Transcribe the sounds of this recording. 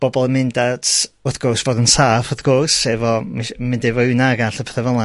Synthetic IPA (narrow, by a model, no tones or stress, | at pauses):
b̥ɔbɔlˠəmɪndatʊθɡ̥ʊrsvoːdənsaːfɔθɡ̥ʊrsːɛvɔmiʃmɪndɪvɔɨnaɡaɬəpʰɛ̥θɛvɛlˠa